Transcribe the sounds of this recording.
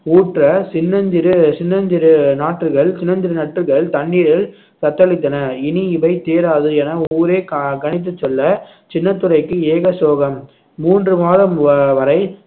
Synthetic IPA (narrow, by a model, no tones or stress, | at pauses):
uːʈrɐsɪnːɐɲd͡ʒɪɾɯt͡ʃɪnːɐɲd͡ʒɪɾɯnaːʈːrɯɣɐɭt͡ʃɪnːɐɲd͡ʒɪɾɯnɐʈːɯɣɐɭt̪ɐɳːiːɾɪɭ | sɐt̪ːɐɭɪt̪̬ːɐnɐɪniɪʋɐɪt̪eːɾaːðɯɛnɐuːɾeːkɐɳɪt̪̬ːɯt͡ʃːɔlːɐ | t͡ʃɪnːɐt̪ːɯɾɐɪkːɯeːɣɐsoːɣɐmː | uːndrɯmaːðɐmʋɐɾɐɪ